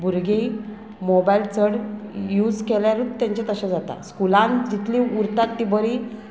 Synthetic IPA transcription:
bʱuɾɡe | mobailt͡səɽjuːd͡zkeljaɾut̪̚t̪ːjãɲt͡ɕat̪əɕãd͡zat̪a̰skulãnd͡ʑit̪ʰlĩuɾt̪at̪ːibəɾi

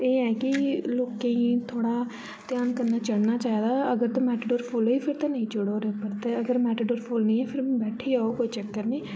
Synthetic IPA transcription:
eːɦɛːkɪloːkẽːĩːt̪ʰoːɽaː | t̪ɪjaːnkəɾnaːt͡ʃəɽnaːt͡ʃaːiːd̪aːəɡəɾt̪ãːmɛːʈeɖoːɾpʰoːloːiːpʰɪɾt̪ẽːnəĩːt͡ʃʊɽoːɾeopəɾt̪eəɡəɾmɛːʈeɖoːɾpʰoːlnĩːɛːpʰɪɾbɛːʈʰiːaːoːkoːiːt͡ʃəkːəɾnẽː

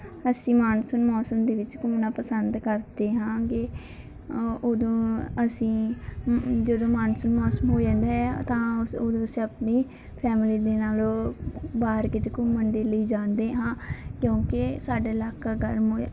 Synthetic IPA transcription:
əsĩːmaːnsənmɔːsəmd̪eːʋɪt͡ʃkʊmnaːpəsənd̪kəɾd̪eːɦãːkɪ | od̪õːəsĩː | d͡ʒəd̪õːmaːnsʊnmɔːsəmɦoːd͡ʒãːnd̪aːɦɛːt̪ãːoːd̪õːsiːəpniː | pʰɛːmɪliːd̪eːnaːloːbaːəɾkɪt͡ʃ̪kʊmːəɳd̪eːləiːd͡ʒãːnd̪eːɦãːkjõːkɪsaːɖaːɪlaːkaːɡəɾmoː

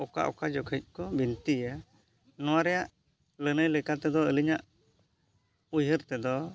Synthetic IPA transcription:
ɔka̰ʔɔ̰kad͡ʒɔkʰəc̪̚ˀkɔbint̪ijə | nɔwaɾɛjaʔ | lənəjlɛkat̪ɛd̪ɔəliɲaʔ | ujɦəɾt̪ɛd̪ɔ

